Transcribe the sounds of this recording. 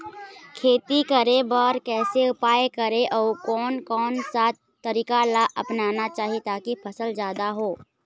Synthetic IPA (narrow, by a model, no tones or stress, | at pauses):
kʰeːt̪ikɐɾebəɾkɛːseʊpaːekɐɾeʔɔːkɔːnkɔːnsat | t̪ːɐɾiːkalaʔɐpnaːnat͡ʃaːɦiet̪aːkipʰɐsəld͡ʒjaːd̪aɦoː